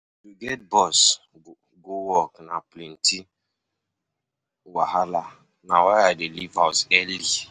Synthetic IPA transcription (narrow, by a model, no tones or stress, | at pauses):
juɡɛt̚bɔs | ɡowɔknaplinti | waɦala | nawajadelivawsɛli